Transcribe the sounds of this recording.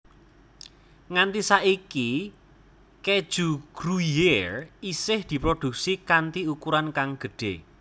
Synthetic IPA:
ŋant̪isaʔiki | ked̥ʒ̥uɡ̥ɾujerisɪhd̪̥i̤pɾod̥ṳksikant̪iukuɾankaŋɡ̥ə̤ɖ̥e

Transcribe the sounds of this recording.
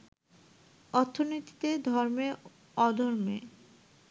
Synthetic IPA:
ɔɾt̪ʰːonot̪i̥t̪ed̪ʱɔɾme | ɔd̪ʱɔɾme

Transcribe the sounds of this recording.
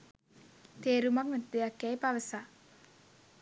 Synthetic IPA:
t̪eːɾumaŋmet̪d̪ejakːæjpaʋəsa

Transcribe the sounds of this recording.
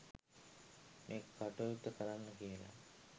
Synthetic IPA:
mʔeːkkːaʈojut̪ːəkəɾanːəkiəla̰

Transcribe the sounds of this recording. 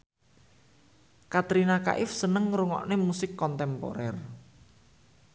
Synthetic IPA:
kat̪ɾinaka̰ʔɪfsənəŋɾuŋɔ̰ʔnemusɪkːɔnt̪ɛmpo̰ɾɛr

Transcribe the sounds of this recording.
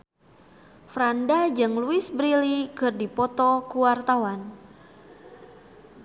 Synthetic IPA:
fɾandad͡ʒɨŋluɪsbɾilikərdipɔt̪ɔkuwart̪awan

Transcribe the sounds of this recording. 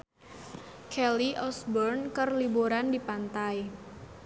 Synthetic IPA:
kʰɛliʔɔsbɔrnkərlibuɾandipant̪aj

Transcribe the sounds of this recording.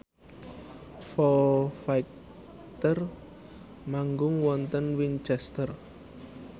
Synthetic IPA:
fɔfajk | t̪ər | maŋɡʊŋwɔnt̪ənwint͡ʃɛst̪ər

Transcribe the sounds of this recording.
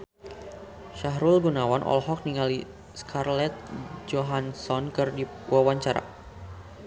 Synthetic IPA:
ʃaɦɾulɡunawanʔɔ̰lɦɔk̚niŋali | skʰarlɛt̪̚d͡ʒɔɦansɔnkɨrdi | wawaɲt͡ʃaɾa̰

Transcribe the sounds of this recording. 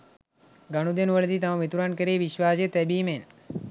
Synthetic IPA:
ɡaɽ̃ud̪enʋəɭd̪iːt̪ɐmãmit̪uɾaːnkəɾeʋiʃʋaːd͡ʒet̪ebimen

